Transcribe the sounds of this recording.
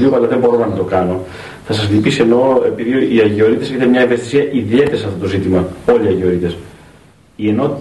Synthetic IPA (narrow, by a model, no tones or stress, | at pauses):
iopɐlɐðembo̞ɾomɐnɐt̪o̞kɐno̞ | θɐsɐslipise̞no̞e̞piðiiɐʝio̞ɾit̪e̞sçit̪ɐnmɲɐiɱvet̪isiɐʔiðie̞t̪eɐsɐft̪o̞t̪o̞zit̪imɐo̞liɐʝio̞ɾit̪e̞s | ie̞no̞t̪